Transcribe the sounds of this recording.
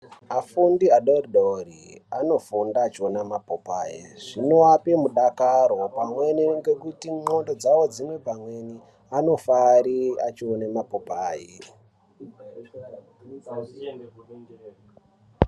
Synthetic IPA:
afundiaɗoriɗoriano̞fundaːt͡ʃionamapopaːjeʐ̥ino̞apemuɗakaɾo̞pamwe̞niŋɡe̞kutiŋ͡ǃo̞ndo̞d͡zawo̞d͡zimwe̞pamwe̞ni | ano̞faɾiat͡ʃionemapopaːje

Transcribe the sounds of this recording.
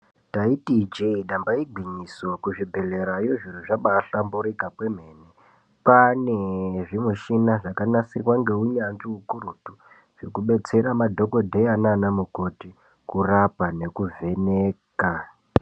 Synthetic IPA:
taitid͡ʒeiɗambaiɡʱwiɲisokuʐibʱeɮe̞ɾajoʐir̤uʐaɓaːɬambuɾikapwem̤e̞ːne | paneʐimuʃinaʐakanasirwaŋɡe̞uɲanʐiukuɾutu | ʐ̥ikuɓe̞t͡se̞ɾamadʱo̞ko̞dʱeananemuko̞ti | kurapane̞kuve̞neːka

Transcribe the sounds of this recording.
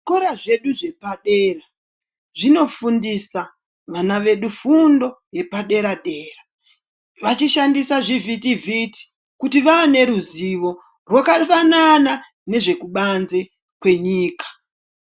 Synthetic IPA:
koɾaʐe̞ɗuʐe̞paɗe̞ːra | ʐino̞fundisa | ʋanaʋe̞ɗufundo̞ | je̞paɗe̞ɾaɗe̞ːra | ʋat͡ʃiʃandisaʐivitivʱiti̥ | kutiʋaːne̞ɾuziʋo̞ | rwakafanana | ne̞ʐe̞kuɓanze | kwe̞ɲiːkḁ

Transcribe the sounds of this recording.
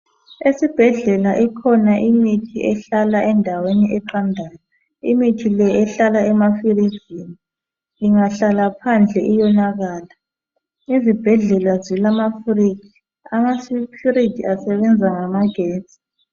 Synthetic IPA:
esib̥ʱɛɮɛlaʔɛkʰɔnaʔimitʰiɛɬalaʔɛndʱaweniʔɛǃandʱaːjɔ | imitʰilɛɛɬalaɛmafirizini | iŋaɬalapʰand͡ɮʱɛʔijɔnaɣaːla | izib̥ʱɛɮɛlazilamafrikʰi̥ | amaskʰiritʰʼiasɛβɛnd͡zʱaŋamaɡ̥ʱeːt͡sʼi̥

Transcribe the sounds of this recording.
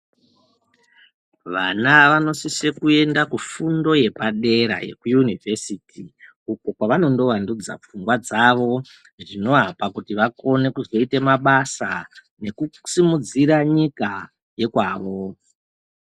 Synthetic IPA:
ʋanaʋano̞sise̞kue̞ndakufundo̞je̞paɗe̞ɾa̰je̞̰kujunivʱe̞sitʰi | uko̞kwaʋano̞ndo̞ʋandud͡za̰p͡fuŋɡwad͡zaʋo̞ | ʐino̞ɦapakutiʋako̞ne̞kuzo̞itemaɓasa | ne̞kusimud͡ziɾaɲika | je̞kwaːʋo̞

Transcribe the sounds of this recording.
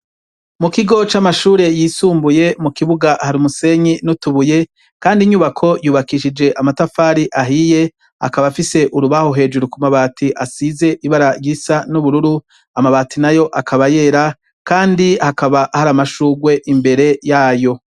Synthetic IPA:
mukiɡo̞t͡ʃamaʃuːɾe̞jiːsuːmbuje̞mukiβuɡahaɾimuse̞ɲinutuβuje̞ | kaːndiɲuβakʰo̞juːβakiʃid͡ʒe̞ʔamatafaːɾiʔaɦije̞ | a̰kaβafise̞ʔuɾuβahoɦe̞ːd͡ʒuɾukumaβaːtʰiʔasize̞ʔiβaɾajisanuβuɾuɾu | amaβatʰinajo̞ʔakʰaβaje̞ːɾa | kaːndihakaβaʔhaɾamaʃuːɡwe̞ʔimbe̞ɾe̞jaːjo̞

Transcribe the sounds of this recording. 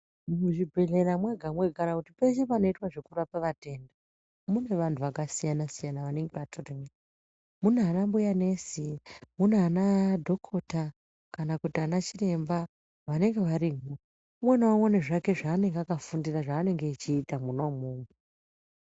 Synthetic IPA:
muuʐibʱe̞ɮe̞ɾamweɡʱamwe̞ɡʱanakutipe̞t͡ʃe̞pano̞itwaʐe̞kurapaʋate̞ːnda | mune̞ʋantʰuʋakasijanasijanaʋane̞ŋɡe̞ʋatʰoreme | munaanambujane̞simunanadʱo̞kʰo̞ta | kanakutianat͡ʃire̞mba | ʋane̞ŋɡe̞ʋaɾiːŋo | umwenowaoneʐake̞ʐaːne̞ŋɡeakafundiraʐaːne̞ŋɡe̞it͡ʃiːtamunoumuːŋu

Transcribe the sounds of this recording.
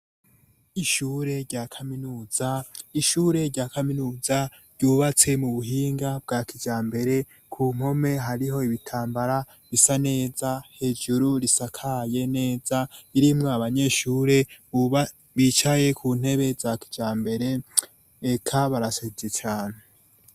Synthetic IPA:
iʃuːɾe̞ɾɟaːkʰaminuːz̥aiʃuːɾe̞ɾɟaːkaminuːza | ɾjɟuːβat͡se̞muβuɦiːŋɡab̚ɡaːkʰid͡ʒaːmbe̞ɾe̞ | kʰuːm̥ho̞me̞ɦaɾiɦo̞iβitʰaːmbaɾa | βisane̞ːzahe̞ːd͡ʒuɾuɾisakʰaje̞ne̞ːzaiɾimŋoaβaɲe̞ːʃuːɾe̞u | βit͡ʃaje̞kʰuːn̥he̞βe̞zaki̥d͡ʒaːmbe̞ɾe̞ː | kʰaβaɾasezet͡ʃaːne

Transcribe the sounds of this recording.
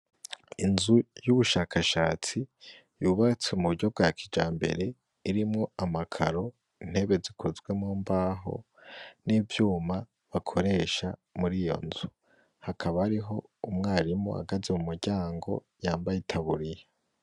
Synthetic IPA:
inzujuβuʃaːkʰaʃaːt͡si | juːβat͡seumuɟo̞b̚ɡaːkʰid͡ʒaːmbe̞̰ɾe̞ | iɾimŋo̞amakʰa̰ɾo̞ | in̥he̞βe̞zikʰozɡwe̞muːmbaːɦo̞̰ | nivjuːma | βakʰo̞ɾe̞ʃamuɾijo̞̰nzu | hakʰaβaːɾiɦo̞umŋaːɾimo̰a̰ɡazemumuɾɟaːŋɡo̞̰ | jaːmbajitʰaβuɾija

